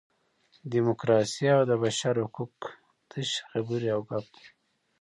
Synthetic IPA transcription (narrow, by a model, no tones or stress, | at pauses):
d̪imukɾɑsiawd̪əbaʃaɾhukuk | t̪əʃxabuɾiawɡap̚